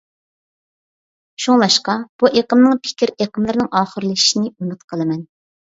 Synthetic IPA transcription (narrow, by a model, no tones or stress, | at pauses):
ʃuŋlˠɑʃqɑb̥uʔeqəmnɨŋpʰɪ̥kʲiɾeqəmlˠɨɾnɨŋʔɑːχəɾlˠɨi̥ʃinɪymɪt̪qʰəlˠɨmɛn